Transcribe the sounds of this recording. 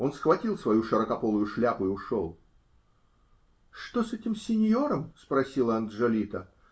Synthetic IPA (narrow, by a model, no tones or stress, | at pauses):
o̞nsxvɐtʲilˠsvɐjuʂɨɾəkɐpo̞lˠʊjʊʂlʲapʊɪʊʂo̰lˠ | ʂt̪osɛtʲɪmsʲɪnʲjo̞ɾəmspɾɐsʲilˠəɐnd̪ʐɐlʲit̪ə